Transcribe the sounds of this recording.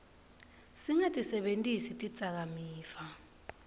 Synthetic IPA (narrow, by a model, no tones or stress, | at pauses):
siŋatʼisɛɓentʼisitʼid̥z̥ʼʱak̬amiːfa